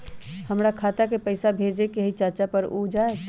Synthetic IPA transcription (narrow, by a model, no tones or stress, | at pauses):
həmɾakʰat̪akepəɪsabʱed͡ʒekeɦit͡ʃəɾt͡ʃapəɾod͡ʒae